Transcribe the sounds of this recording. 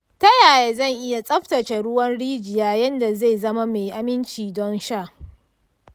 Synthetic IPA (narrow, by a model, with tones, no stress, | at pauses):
tɐ˦jaː˨jeː˨zɐ˦˨ŋʔɪ˦ja˨sʼɐ˦ɸtɐ˨t͡ʃe˨ɽʊ˦wɐ˦nɽiː˦d͡ʒɪ˨jaː˦jɐ˦nda˨ze˦˨zɐ˦ma˦me˨ʔa˨mɪ˦nt͡ʃiː˨dɔ˦nʃaː˦˨ʔ